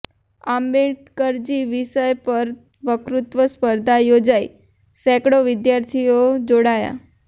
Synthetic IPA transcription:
ambeʈkəɾd͡ʑiːʋisəjpəɾ | ʋəkɾut̪ʋəspəɾd̪ʱajod͡ʑai | sɛkɽoʋid̪jaɾt̪ʰijod͡ʑoɽaja̰

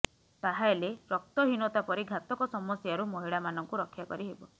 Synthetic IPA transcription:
t̪aɦaeleɾɔk̚t̪ɔɦinɔt̪apɔɾiɡʱat̪ɔkɔsɔmɔsjaɾumɔɦiɭamanɔŋkuɾɔkʰːjakɔɾiɦebɔ

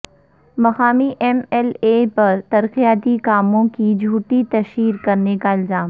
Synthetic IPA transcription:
mɐxaːmiʔɛmɛleːpɐɾt̪ɐɾqijaːt̪ikaːmõkid͡ʒʱuːʈit̪ɐʃiːɾkɐɾnekaɪlzaːm

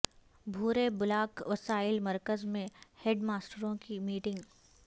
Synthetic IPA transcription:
bʱuːɾebʊlaːkʋɐsaːɪlmɐɾkəzmẽheːɖmaːsʈəɾõkimiːʈɪ̃ŋɡ

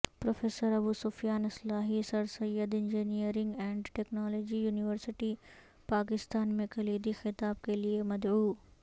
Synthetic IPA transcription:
pɾoːfʰeːsəɾɐbusʊːfijaːnɪslaːɦisɐɾsɐjəd̪ɪ̃nd͡ʒinijəɾɪ̃ŋɡɛ̃ːɳɖʈeːknaːlɔːd͡ʒijuːnɪʋəɾsɪʈi | paːk̬ɪst̪aːnmẽkɐliːd̪ixɪt̪aːb̚keliemɐd̪ʕuː

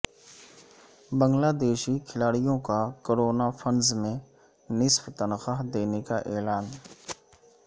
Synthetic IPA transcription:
bə̃ŋɡlaːd̪eːʃikʰɪlaːɽijõkakoːɾoːnafʰənzmẽ | nɪsft̪ənxaːɦd̪eːnekaʔɛːlaːn

